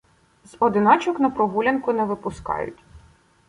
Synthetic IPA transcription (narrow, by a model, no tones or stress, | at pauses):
zɔd̪ɪnɑt͡ʃɔknɐpɾɔɦulʲɐnkʊnɛʋɪpʊskɑ̰jʊ̰tʲ